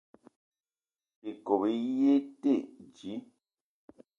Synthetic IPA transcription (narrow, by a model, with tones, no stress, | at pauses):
pe˨ko˨be˨˦je˦te˦˨ʔd͡ʒi˨˦